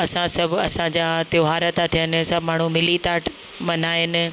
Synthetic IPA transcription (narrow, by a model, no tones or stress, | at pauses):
ɐsãsɐbʱɐsãd͡ʑaːt̪joːɦaːɾət̪at̪ʰijənɪ̆sɐbʱmaːɳ̤umɪlit̪aːʈ | mɐnaːɪnɪ̆